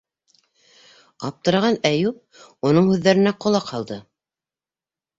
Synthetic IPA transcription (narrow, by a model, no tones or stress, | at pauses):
ɑp̚t̪ɤ̆ɾɑʁɑnæjup̚unɤɴhʉðːæɾɘ̆næqŏlˠɑqhɑlˠd̪ɤ